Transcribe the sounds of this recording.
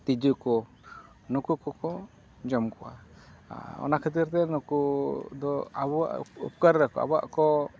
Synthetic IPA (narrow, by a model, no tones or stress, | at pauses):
t̪id͡ʒukɔ | nukukɔkɔ | d͡ʒɔmkɔwa̰ | ɔ̰nakʰit̪̬iɾt̪ɛnukud̪ɔaba̰ʔṵp̚kaɾːɛkɔa̰ba̰ʔkɔ